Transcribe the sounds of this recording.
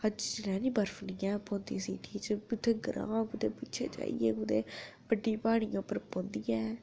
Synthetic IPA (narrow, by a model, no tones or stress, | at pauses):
həd͡ʒt͡ʃlɛ̃ːnĩːbəɾfniːɛːpõːnd̪iːsḭːʈʰiːt͡ʃəbɪt̪ʰːeɡəɾã̰ːkʊd̪eːpitːt͡ʃʰḛːt͡ʃa̰ːḭɛːkʊd̪eːbəɖːiːpaːɽ̃ijãʊpːəɾpõːnd̪iːɛː